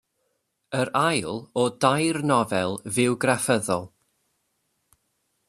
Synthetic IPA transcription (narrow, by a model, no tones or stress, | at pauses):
əɾajlˠɔdajrnɔvɛlˠvɪwɡrafəðɔlˠ